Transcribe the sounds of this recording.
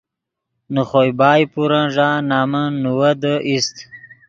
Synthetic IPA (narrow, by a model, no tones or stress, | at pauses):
nuχojbaːjpuɾãʐaːnaːmənuwəd̪əʔist̪